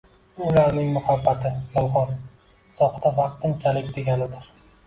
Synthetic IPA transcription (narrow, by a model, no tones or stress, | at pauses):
ʊlaɾnɪŋmʊhabːat̪ʰɪmʊlˠχɒn | sɒχd̪avɑqt̪ɪŋkʲʰalɪkʲd̪e̞ɡʲanɪd̪ɪɾ